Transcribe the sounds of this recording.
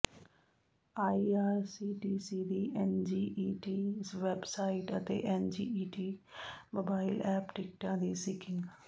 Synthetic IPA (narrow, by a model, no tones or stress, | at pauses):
aːiaːɾsiːʈiːsiːd̪iːʔɛnd͡ʒiːʔiʈiːʋebsaːɪʈə̰t̪ḛːʔɛnd͡ʒiːiːʈiːmoːbaːɪlɛːpʈɪk̚ʈãːd̪isɪkʰɪ̃ŋɡ